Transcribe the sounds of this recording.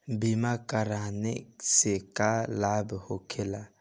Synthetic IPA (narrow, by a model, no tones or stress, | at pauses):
bimakaɾanesekalabhokʰela